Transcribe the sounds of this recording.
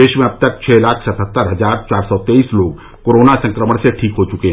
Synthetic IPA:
eːʃmẽɐb̚t̪ək̚t͡ʃʰɛːlaːkʰsət̪ʰət̪ːəɾɦɐzaːɾt͡ʃaːɾsɔt̪eːiːsloːɡ | koːɾoːnasə̃ŋkɾəməɽ̃seʈʰiːkɦot͡ʃʊkeɦ

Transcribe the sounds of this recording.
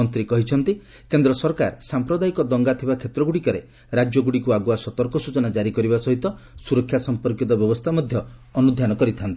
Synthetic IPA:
ɔnt̪ɾikɔɦit͡ʃʰɔnt̪i | kend̪ɾɔsɔɾkaɾsampɾɔd̪aikɔd̪ɔŋɡat̪ʰibakʰet̪ɾɔɡuɽikɔɾe | ɾad͡ʒjɔɡuɽikuaɡuasɔt̪ɔɾkɔsut͡ʃɔnad͡ʒaɾikɔɾibasɔɦit̪ɔ | suɾɔkʰjasɔmpɔɾkit̪ɔbjɔbɔst̪ʰamɔd̪ʱjɔːnud̪ʱjanɔkɔɾit̪ʰant̪i

